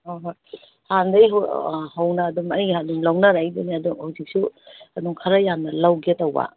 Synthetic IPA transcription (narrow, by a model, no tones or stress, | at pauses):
oɦ | handɐjɦhɐwnɐːdumɐjdumlawnaɾajduniɐdumhawzik̚suɐduŋkʰaɾɐjamnɐlawɡitɐwba̰